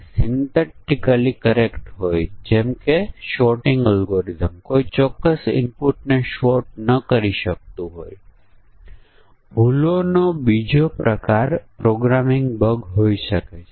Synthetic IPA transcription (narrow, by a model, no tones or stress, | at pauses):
sɪnt̪eʈikəlikəɾekʈɦojd͡ʒɛmkeʃɔʈɪ̃ŋɡəlɡoɾizəmkoit͡ʃɔkːəsɪ̰mpuʈneʃɔʈ̚nəkəɾiʃək̚t̪ũɦoj | bʱulonobid͡ʒopɾəkaɾpɾoɡɾamɪŋɡbəɡɦoiʃəket͡ʃʰe